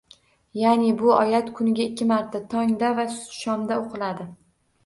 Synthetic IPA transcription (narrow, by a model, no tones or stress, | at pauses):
janɪbʊɒjat̪kʰʊnɪɡʲaɪkʲːɪmaɾt̪ʰːat̪ʰɒŋd̪avaʃɒmd̪aoqʰɨlad̪ɪ